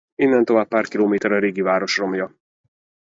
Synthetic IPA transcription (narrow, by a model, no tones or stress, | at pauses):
inːɛnt̪o̞vaːpːaːrkiloːmeːt̪ɛɾɒɾeːɡivaːɾo̞ʃro̞mjɒ